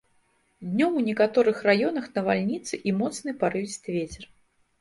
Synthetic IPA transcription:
d̪ʲnʲɔmunʲɛkat̪ɔɾɨxrajɔn̪ɐxnɐvalʲnʲit̪sɨʔimɔt̪snɨpaɾɨisʲt̪vʲet͡sʲɛr

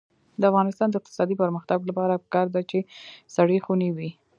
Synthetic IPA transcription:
d̪əafɣɑnɪst̪ɑnd̪əɪq̚t̪ɪ̥sɑd̪ipəɾməxt̪aɡlapɑɾapə̥kɑɾd̪at͡ʃesaɽəxuniwi

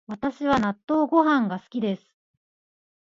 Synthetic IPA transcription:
βat̪aɕiβanat̪ːo̞ːɡo̞ɦãŋɡasɨ̥kʲid̪e̞sɨ̥

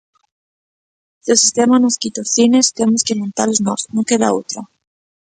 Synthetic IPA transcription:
d̪esist̪emanoskit̪oθinest̪emoskement̪aloznosnokeða̰ot̪ɾa

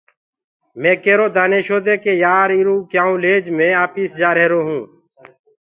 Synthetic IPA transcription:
mẽːkeːɾoːd̪aːneːʃoːd̪eːkeːjaːɾiːɾũːkjaːũːleːd͡ʒmẽːaːpiːsd͡ʒaːɾeːɾoːɦũː

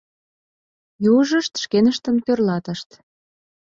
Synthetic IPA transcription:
juʒəʃt̪ʃkenəʃt̪ənpørlɑt̪əʃt̪

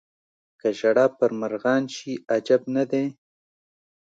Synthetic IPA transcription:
kaʒaɽɑːpəɾmaɾɣɑnʃiad͡ʒabnad̪e

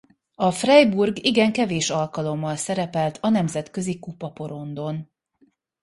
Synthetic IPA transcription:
ɒfrɛjburɡiɡɛŋkɛveːʃɒlkɒlo̞mːɒlsɛɾɛpɛlt̪ʰɒnɛmzɛt̪kø̞zikupɒpo̞ɾo̞nd̪o̞n

